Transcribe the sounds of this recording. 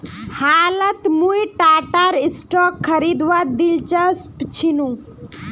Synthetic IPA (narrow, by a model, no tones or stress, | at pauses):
haːlɐt̪mũjʈaːʈaɾisʈɔːkʰːɐɾid̪ʋad̪ilt͡ʃɐspt͡ʃʰinũ